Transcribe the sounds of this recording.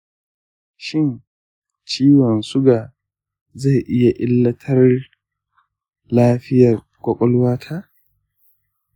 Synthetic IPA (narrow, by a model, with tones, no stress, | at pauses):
ʃɪ˦n | t͡ʃiː˦wɔ˨nsʊ˦ɡa˨ | za˦˨jʔɪ˦ja˨ʔɪ˦lːɐ˦tʰɐ˦r | laː˦ɸɪ˦jɐ˨r | kʷʼɔ˦kʼɔ˦lwaː˦tʰaː˦